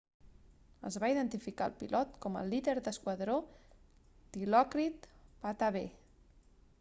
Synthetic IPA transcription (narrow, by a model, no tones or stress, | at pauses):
ə̰zβaiðənt̪ifikaə̰lˠpilʔɔt̪kɔmə̰liðeɾd̪əskwəðɾo | d̪̥ilɔkɾit̪pat̪aβe